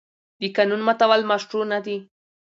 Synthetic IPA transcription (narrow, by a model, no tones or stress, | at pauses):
dikanʊnmat̪aβalmaʂʈ͡ʂunad̪i